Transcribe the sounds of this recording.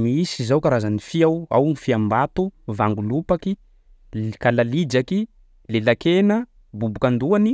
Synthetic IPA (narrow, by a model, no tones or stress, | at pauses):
miisizawkaɾazanifiawa̰wnifiambat̪uvaŋɡulupaki | kalalid͡ʒaki | lelakenə | bubukand̪uani